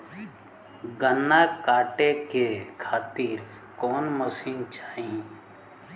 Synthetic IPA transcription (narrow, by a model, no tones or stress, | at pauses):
ɡənːaːkaːʈekekʰaːt̪iːɾ | kɔːnməsiːnt͡ʃaːɦĩː